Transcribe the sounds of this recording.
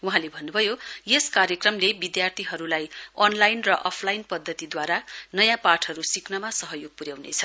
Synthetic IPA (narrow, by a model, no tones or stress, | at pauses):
uɦãlebʱʌnːubʱʌjojeskaɾjʌkrʌmlebid̪jart̪ʰiɦʌɾulajʌnlajnrʌʔʌpʰlajnpʌd̪ʱːʌt̪id̪waɾanʌjãpaʈʰʌɾusiknʌmasʌɦʌjoɡ̚puɾjawnḛt͡sʰʌ̥